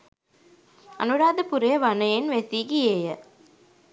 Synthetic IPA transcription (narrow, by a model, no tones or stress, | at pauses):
ɐ̰nuɾaːd̪ɐpuɾɐjɐʋɐnɐjenʋesiɡieːjɐ